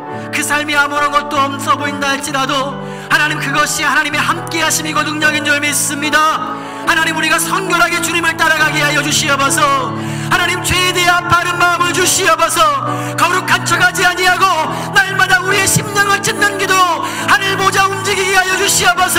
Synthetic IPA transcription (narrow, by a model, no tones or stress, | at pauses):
kɯsʰaɭmiamuɾʌnɡʌt̚t͈oʌmsʰʌboindaaɭt͡ɕ͈iɾado | hanaɲimkɯɡʌɕʰihanaɲime̞hamk͈e̞ɦaɕʰimiɡonɯŋɲaɡind͡ʑʌmeis͈ɯmɲida | hanaɲimuɾiɡasʰʌnɡjʌɾɦaɡe̞t͡ɕuɲimɯɭt͈aɾaɡaɡeɦajʌd͡ʑuɕʰiʌbasʰʌ | hanaɲimt͡ɕwe̞ːneapaɾɯnmaɯmɯɭd͡ʑuɕʰiʌbasʰʌ | kʌɾuk̚k͈at͡ɕʰʌɡad͡ʑiaɲiɦaɡo | naɭmadauɾie̞ɕʰimɲʌŋɯɭt͡ɕ͈inːɯnɡido | hanɯɭmod͡ʑaund͡ʑiɡiɡeɦajʌd͡ʑuɕʰiʌbasʰʌ